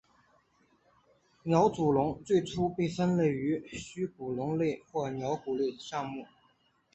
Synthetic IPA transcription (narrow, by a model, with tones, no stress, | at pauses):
njɑ˧˥ʊt͡su˨˩lʊ˧˥ŋt͡swe˥˩ɪʈ͡ʂʰu˥pe˥˩ɪsə˥nle˥˩ɪy˧˥ɕy˥ku˨˩lʊ˧˥ŋle˥˩˧ɪxwɔ˥˩njɑ˧˥ʊku˨˩le˥˩ɪd̪ə˩ʂɑ˥˧ŋmu˥˩